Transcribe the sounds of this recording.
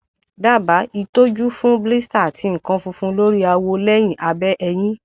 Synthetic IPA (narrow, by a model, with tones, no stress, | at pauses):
da˦˨ba˨˦i˧to˦d͡ʒu˦fũ˦bli˦sta˦˨ti˨˧˦ŋ̩˨kã˧fũ˧fũ˦lo˦ɾi˦a˧wo˧lɛ˦j̃ĩ˦˨ʔa˧bɛ˦ʔɛ˧j̃ĩ˦